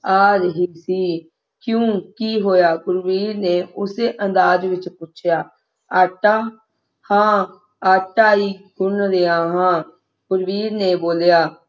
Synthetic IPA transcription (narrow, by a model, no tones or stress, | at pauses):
aːɾəɦiːsiː | kjõːkiːɦoːjaːɡʊɾʋiːɾneːʊseːʔə̃nd̪aːd͡ʒʋɪt͡ʃpʊt͡ʃʰjaː | aːʈaː | hãː | aːʈaːiːɡʊɳɾeːãːɦãː | ɡ̥ʊɾʋiːɾnẽːboːljaː